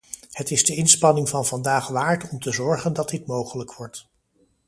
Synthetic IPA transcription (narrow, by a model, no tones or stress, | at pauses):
hətɪzdəɪnspɑnɪŋvɑnvɑndaːχʋaːɹtɔmtəzɔɹχəndɑd̚dɪtmowχələkʋɔɹt